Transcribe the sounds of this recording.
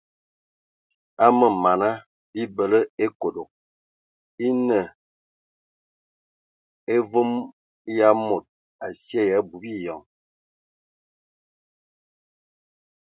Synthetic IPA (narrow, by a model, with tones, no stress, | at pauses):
a˦mə˨ma˨na˦ | bi˦bə˨lə˦e˦ko˨do˨k̚ | i˦nə˨ | e˦vo˦m | ja˦mo˨t̚ | a˨sje˦˨ja˨˦bu˨bi˦jɔ˨ŋ